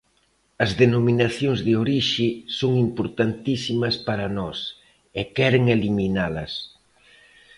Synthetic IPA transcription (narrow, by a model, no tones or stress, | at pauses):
ɐzðenominaθjoŋzðɪoɾiʃɪsoŋimpoɾt̪ant̪isimɐspaɾɐnɔs | ɛkɛɾeŋeliminalɐs